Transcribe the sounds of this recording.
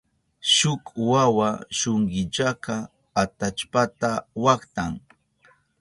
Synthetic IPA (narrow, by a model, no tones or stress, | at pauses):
ʃʊkwawaʃoŋɢɪt͡ʃaka | at̪at͡ʃpat̪awakt̪aŋ